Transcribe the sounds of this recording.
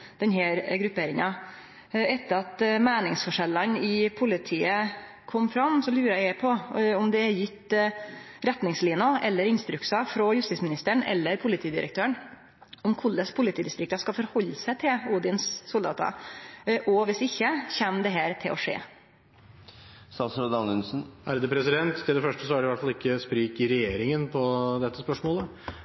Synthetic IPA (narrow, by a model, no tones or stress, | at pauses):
d̪̥ɛnɦæːɾɡɾʉpeːɾɪŋɑ | ɛt̪ːəɾɑt̪mæːnɪŋsfɔʂɛlːɑnɪpʰʊlɪt̪ʰiːə | kʰɔmːfɾɑmsɔlʉːɾəæɪæpʰɔɔmd̪ɛɛɾjɪt̪ː | ɾɛt̪nɪŋsliːnʊʔɛlːəɾɪnst̪ɾʉksɑfɾɔjʉst̪ɪsmɪnɪst̪əɳɛ̰lːəɾpʰʊlɪt̪ʰiːd̪ɪɾʔə̰k̚t̪ʰøːəɳ | ɔmkʰʊlːəspʰʊlɪt̪ʰiːd̪ɪst̪ɾɪk̚t̪ɑskɑfɔɾhɔlːəsæt̪ʰɪluːd̪ɪnsːʊld̪ɑ̰ːt̪ɑ̰ | ʔɔʋɪsɪçːəçɛmd̪ɛɦæːɾt̪ʰɪlʔɔʂḛː | sɑsɾɑd̪ɑnʉnsn̩ʔæɾd̪əpʰɾɛsɪd̪ɛnt̪t̪ʰːɪld̪ɛfœʂʈəsɔæɖɛʋæʈfɑlɪkːəspɾiːkɪɾɛjeːɾɪŋənpʰɔd̪ɛt̪ːəspœʂmoːlə